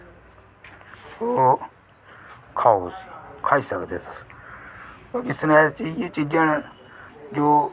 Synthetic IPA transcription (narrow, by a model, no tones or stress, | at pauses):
oː | kʰaːoskʰaːiːsəkd̪ḛːs | əkɪst̪əɾast͡ʃid͡ʒet͡ʃid͡ʒən | d͡ʒoː